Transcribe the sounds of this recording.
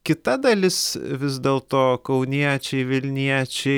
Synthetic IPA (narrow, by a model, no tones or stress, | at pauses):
kʲɪt̪ɐd̪ɐlʲɪsʋʲɪzd̪ʲeːlˠt̪oːkɐʊnʲiɛt͡ʃʲɛɪʋʲɪlʲnʲiɛt͡ʃʲɛɪ